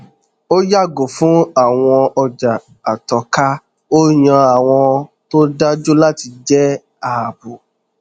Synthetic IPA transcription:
o˦ja˦˨ɡo˨fũ˨˦a˦˨w̃ɔ̃˧ɔ˧d͡ʒa˨ | a˨tɔ˨ka˦ | o˦ɲã˧a˨w̃ɔ̃˧ | to˦da˦d͡ʒo˦la˦ti˧d͡ʒɛ˦ | a˦˨a˨bu˨

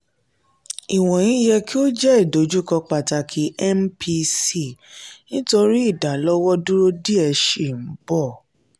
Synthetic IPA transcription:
i˨w̃ɔ̃˨j̃ĩ˨˦jɛ˧ki˦o˦d͡ʒɛ˦i˦˨do˨˦d͡ʒu˦kɔ˧k͡pa˨ta˧kʰi˨˦ɛ˦mpʰi˧si˦˨nĩ˦to˧ɾi˦i˦˨da˨˦lɔ˦wɔ˦du˦ɾo˦di˦ɛ˧ʃe˦˨n̩˨˦bɔ˦˨

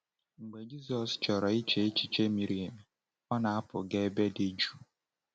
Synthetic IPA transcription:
ŋ͡m̩˨ɡ͡be˨d͡ʒi˦zɔ˨st͡ʃɔ˨ɾɔ˨i˦t͡ʃe˦e˦t͡ʃi˨t͡ʃe˦mi˨ɾi˦˨e˨m˨ | ɔ˦na˨a˦pʊ˨ɡe˦be˦de˦d͡ʒu̥˦

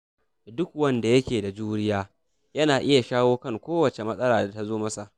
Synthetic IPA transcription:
dʊ˦k̚wɐ˦nda˨jɐ˦kʲeː˨da˨d͡ʒuː˦ɽɪ˦jaː˦ | jɐ˦naː˨ʔɪ˦ja˨ʃaː˦woː˦kɐ˦˨ŋkʷoː˦wɐ˨t͡ʃe˨mɐ˦sʼɐ˦ɽaː˨da˨ta˦zoː˦mɐ˦sa˨ʔ

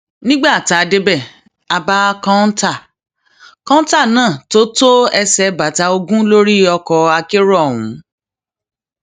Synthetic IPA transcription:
nĩ˦ɡ͡ba˦˨ta˨˧de˦bɛ˦˨ | a˧ba˦kɔ̃˦n̩˦ta˦˨ | kɔ̃˦n˦ta˦˨nãː˦˨to˦to˦ɛ˧sɛ˧ba˨ta˧o˧ɡũ˦lo˦ɾi˦ɔ˧kɔ˧a˧ke˦ɾɔ˦˨wũ˨˦

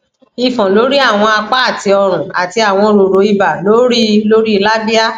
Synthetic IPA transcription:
i˨fɔ̃˨lo˨˦ɾi˦a˦˨w̃ɔ̃˧a˧k͡pa˦a˦˨ti˧˦ɔ˧ɾ̃ũ˨a˨ti˧a˨w̃ɔ̃˧ɾo˨ɾo˨˦i˧ba˨lo˨˦ɾi˦lo˦ɾi˦˧˦la˦bi˦a˦

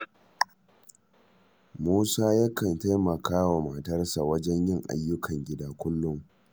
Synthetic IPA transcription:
muː˦saː˦jaː˦kʰɐ˨nta˦jmɐ˨kʰaː˦wa˨ma˨tɐ˦rsa˨wɐ˦d͡ʒɛ˦ɲjɪ˦˨ŋʔa̰˨jːʊ˦kʰɐ˨ŋɡʲɪ˦daː˦kʷʊ˦lːʊ˦ŋ

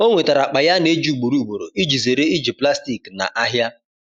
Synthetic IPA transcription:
o˦ŋʷe˨ta˨ɾa˨k͡pa˨ja˦ne˦d͡ʒu˦˨ɡ͡bu˨ɾu˦˨ɡ͡bu˨ɾo̰˨i˦d͡ʒi˨ze˨ɾe˦i˦d͡ʒi˨pla˦sti˨kna̰˨ʔa˦ɦja˦

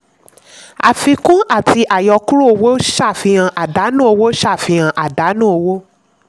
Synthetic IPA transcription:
a̰˨fi˧kũ˦a˦˨ti˧ʔa˨jɔ˧ku˦ɾu˦o˧wo˦ʃa˦˨fĩ˧ã˧ʔa˨da˨˦nũ˦o˧wo˦ʃa˦˨fĩ˧ã˧ʔa˨da˨˦nũ˦o˧wo˦

